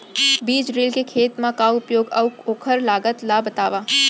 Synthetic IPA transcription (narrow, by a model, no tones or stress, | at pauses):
biːd͡ʒɾɪlkekʰeːt̪mãkaʊpjoːɡɐʋoːkʰəɾlaːɡət̪labət̪aːʋaː